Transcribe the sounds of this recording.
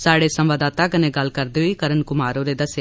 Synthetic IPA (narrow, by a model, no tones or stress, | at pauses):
saːɽeːsɐ̃mʋaːd̪aːt̪aːkɐneːɡɐlːkɐɾd̪eːɦʊiːkɐɾənkʊmaːɾoːɾeːd̪ɐsja